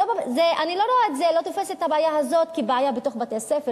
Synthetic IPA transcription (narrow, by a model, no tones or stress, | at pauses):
obazeʔanilo̞ɾoaetzelo̞t̪ofeset̪habeajaɦazo̞tkibeajabet̪o̞χbat̪easefe